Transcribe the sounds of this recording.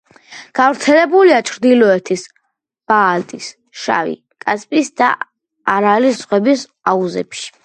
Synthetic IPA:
ɡ̥avɾt̪sʰɛlɛbuliat͡ʃʰɾd̪ilɔɛt̪ʰis | b̥aːlt̪ʼis | ʃa̰vḭ | kʼaspʼisd̪a̰ | aɾalizʁwɛbis | auzɛ̰pʃi̥

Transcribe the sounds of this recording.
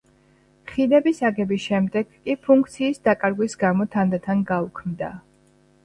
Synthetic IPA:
χilɛbisaɡɛbisʃɛmd̪ɛɡ̥kʼipʰuŋk̚ʰt̪sʰiːsd̪akʼaɾɡwisɡamɔt̪ʰand̪at̪ʰanɡaukʰmd̪a̰

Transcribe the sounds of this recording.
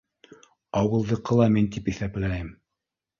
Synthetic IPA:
ɑwɤ̆lˠd̪ɤ̆qːɤ̆lˠɑmint̪̬ipiθæplæjɘm

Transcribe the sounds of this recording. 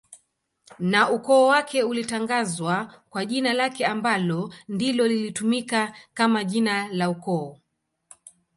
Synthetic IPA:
naukɔːwakʰɛulitaŋɡazwakwaʄinalakɛambalɔndilɔlilitumikakamaʄinalaukɔː

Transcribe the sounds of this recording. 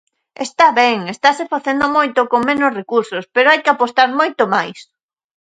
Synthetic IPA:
est̪aβɛŋest̪asɪfaθend̪omojt̪okoŋmẽnosrekuɾsospeɾoajkɪapost̪aɾmojt̪omajs

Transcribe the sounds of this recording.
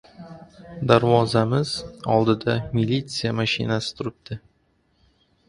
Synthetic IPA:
d̪aɾvɒzamɪz̥ɒlˠd̪ɪd̪amɪlʲːit̪sɨjamaʃɪ̰nasɪ̥t̪ʰʊɾɪb̚d̪̥ɪ

